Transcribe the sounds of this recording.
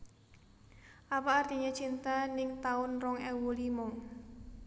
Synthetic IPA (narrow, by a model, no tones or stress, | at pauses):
ʔapaːrt̪iɲet͡ʃint̪anɪŋt̪aʊnrɔŋɛwulimɔŋ